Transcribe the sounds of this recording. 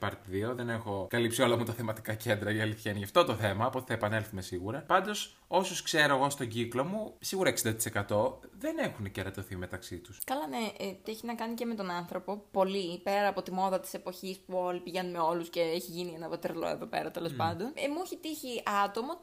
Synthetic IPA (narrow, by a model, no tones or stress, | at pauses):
pɐɾt̪iðio̞ðe̞nexo̞kɐlipsio̞lɐmut̪ɐθemɐt̪i̥kɐcend̪ɾɐiɐliθçɐineʝɐft̪o̞t̪oθe̞mɐːpo̞t̪i̥θɐepɐnelθumesiɣuɾɐpɐnd̪o̞s | o̞soskse̞ɾo̞eɣo̞st̪o̞ɟiklo̞musiɣuɾɐeksind̪ɐt̪i̥se̞kɐt̪o̞ðe̞nexuneceɾɐt̪oθime̞t̪ɐksit̪uskɐlɐneʔt̪ieçinɐkɐnicemet̪o̞nɐnθɾo̞po̞po̞lipe̞ɾɐːpo̞t̪imo̞ðɐt̪i̥se̞po̞çispuo̞lipiʝenumeo̞lusce̞eçiʝinienɐvɐt̪eɾlo̰ḛðo̞pe̞̰ɾɐt̪elo̞spɐnd̪o̞nemueçit̪içiʔɐt̪o̞mo